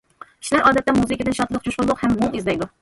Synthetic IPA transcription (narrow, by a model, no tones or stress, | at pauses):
i̥ʃlæɾʔɑːd̪ɛt̪ːɛmuzɨɪkʲid̪ɨnʃɑt̪lˠəq̚t͡ʃʰoʃqʊlˠʊqhɛmmoŋizlɛjd̪ʊ